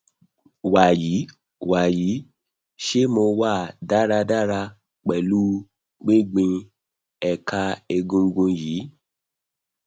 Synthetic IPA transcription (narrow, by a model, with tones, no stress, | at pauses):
wa˨ji˨˦ | wa˨ji˨˦ | ʃe˦mo˧wa˦˨da˦ɾa˧da˦ɾa˧ | k͡pɛ˨lu˦ | ɡ͡bẽ˦ɡ͡bĩ˧ | ɛ˨ka˧e˧ɡũ˧ɡũ˧ji˨˦